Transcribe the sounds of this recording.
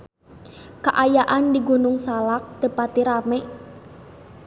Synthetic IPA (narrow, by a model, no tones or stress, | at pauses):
kaʔajaʔandiɡunʊŋsalak̚t̪əpat̪iɾamɛ